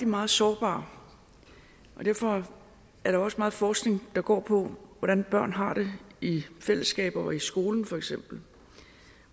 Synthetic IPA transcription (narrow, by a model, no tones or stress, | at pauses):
d̥imɑ̈ːð̩ˠsɒːb̥ɑ̰̈ː | ʔɒ̽d̥æɐ̰fɒ̽ | æɐɾ̥ɑɒ̽səmɑ̈ːð̞̩ˠfɒːsɡ̥ne̝ŋd̥ɑ̈ɡ̥ɒ̰ːpʰɒ̽ʋɒɾ̥ænb̥ɶɐ̰nɦɑ̈ɾ̥e̝ifel̰əsɡ̥ɛ̰ːb̥ɐɒisɡ̥o̝ːln̩fɒ̽eɡ̥sem̰b̥l̩